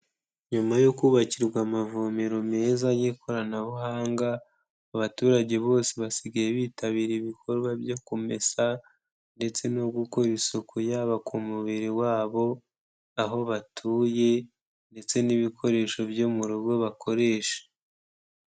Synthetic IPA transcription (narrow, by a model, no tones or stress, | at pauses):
ɲumajokuːβaciɾɡwamavomeɾo̞me̞ːzajikʰo̞ɾanaβuɦaːŋɡaː | βatuːɾaɟe̞βo̞ːseβasiɡaje̞βiːtaβiːɾiβikʰo̞ɾɡwabjokome̞sa | nde̞t͡se̞noɡuko̞ɾisokʰujaːβakʰumuβiɾiwaːβo̞ | aɦo̞βatʰuːje̞ | nde̞t͡se̞niβikʰo̞ɾe̞ːʃo̞bjomuɾuɡɡo̞βakʰo̞ɾe̞ːʃḁ